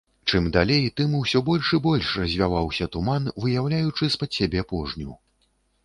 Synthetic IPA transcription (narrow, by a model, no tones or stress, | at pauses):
t͡ʂɨmd̪alʲejt̪ɨmuwsʲɔbɔlʲʂɨbɔlʲʂrɐzʲvʲavawsʲɐt̪umanvɨjawlʲajut͡ʂɨspɐsʲabʲɛpɔʐnʲṵ